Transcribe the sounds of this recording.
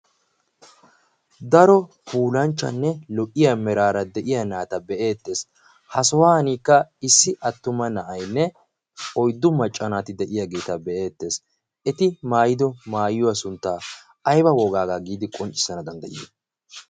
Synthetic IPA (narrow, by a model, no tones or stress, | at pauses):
d̪ɐɾɔpuːlɐnt͡ʃːɐ̰nːɛlɔʔʼɪjamɛɾaːɾɐd̪ɛʔɪjɐnaːt̪ɐbɛʔe̞ːt̪ːe̞ːs | hɐsɔwaːniːkːɐɪsːɪʔɐt̪ːʊmɐnɐʔɐjnːɛ | ɔjd̪ːʊmɐt͡ʃʼːɐnaːt̪ɪd̪ɛʔɪjaɡeːt̪ɐbɛʔe̞ːt̪ːe̞ːs | ɛt̪ɪmaːjɪd̪ɔmaːjːʊwasʊnt̪ːaː | ɐjbɐwɔːɡaːɡaːɡiːd̪ɪkʼɔnt͡ʃʼɪ̥sːɐnɐd̪ɐnd̪ɐjeː